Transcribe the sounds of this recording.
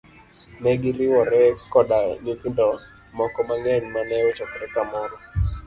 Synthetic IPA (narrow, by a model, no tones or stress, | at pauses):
nɛɡiɾɪwɔɾɛkɔdaɲikindɔ | mɔkɔmaŋɛnmanɛwot͡ʃɔkɔɾɛkamɔɾɔ